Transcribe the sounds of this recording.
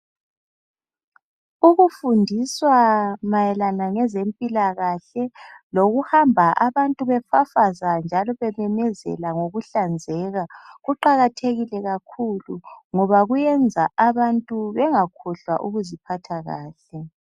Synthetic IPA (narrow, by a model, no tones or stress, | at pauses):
uɣufundʱiswamajɛlanaŋɛzempʼilaɣaɬɛloɣuhambʱaʔaβantʼuβɛfafazand͡ʒʱalɔβɛmɛmɛzɛ̰laŋoɣuɬand͡zʱɛːɣaɣuǃaɣatʰeɣilɛɣakʰuluŋɔβaɣujɛnd͡zʱaʔaβantʼuβɛŋakʰɔɬwa̰ʔuɣuzipʰatʰaɣa̰ːɬɛ